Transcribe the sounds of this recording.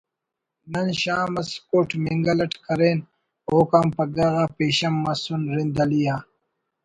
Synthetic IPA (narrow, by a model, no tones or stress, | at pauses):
nɐnɕaːmɐskoːʈmiŋɡɐlɐʈkɐɾeːn | oːkaːmpɐɡɐɣaːpeːɕɐmːɐsunɾind̪ɐlijaː